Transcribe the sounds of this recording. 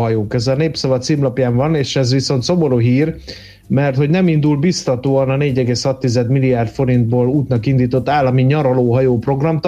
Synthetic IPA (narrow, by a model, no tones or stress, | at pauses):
ɒjoːkøzɛlneːpsɒvɒt̪simlɒpjaːɱvɒneːʃɛzʋiso̞nt̪so̞mo̞ɾuɦiːr | mɛrt̪ho̞ɟnɛmind̪ulbist̪ɒt̪oːɒnɒneːɟɛɡeːshɒt̪ːizɛd̪milːijaːrt̪fo̞ɾind̪̚boːluːt̪nɒkind̪iːt̪o̞t̪ːaːlːɒmiɲɒɾoloːɦɒjoːpro̞ɡrɒmt̪